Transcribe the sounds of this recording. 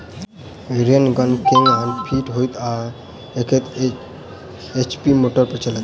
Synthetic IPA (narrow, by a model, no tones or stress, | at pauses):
eɾiənɡənkeŋɡanpʰiʈɦojt̪a | ekʰet̪ | et͡ʃpimoʈəɾpɾət͡ʃalət̪